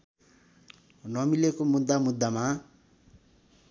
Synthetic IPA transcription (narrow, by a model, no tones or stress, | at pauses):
nʌmilekomud̪ːamud̪ːama